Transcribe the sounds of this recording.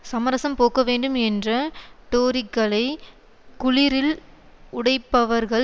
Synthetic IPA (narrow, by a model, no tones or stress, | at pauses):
sɐmɐɾɐsɐmpoːkɐʋeːɳɖɯmɛndrɐʈoːɾɪkːɐɭɐɪ | kʊɻɪɾɪl | ʊɽɐɪpːɐʋɐɾɣɐɭ